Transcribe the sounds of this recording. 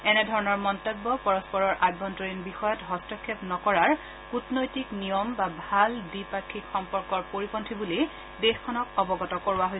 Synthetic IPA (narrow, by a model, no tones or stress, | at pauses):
ɛnɛdʱɔɹɔnɔɹmɔntɔbːɔpɔɹɔspɔɹɔɹʔaɡbɔntoɹinbixɔjɔtɦɔstɔkʰːepnɔkɔɹaɹ | kutnojtiknijɔmbabʱaldipakʰːikxɔmpɔɹkɔɹpoɹipɔntʰibuli | dexkʰɔnɔk̚ɔbɔɡɔtɔkoɹuwaɦoj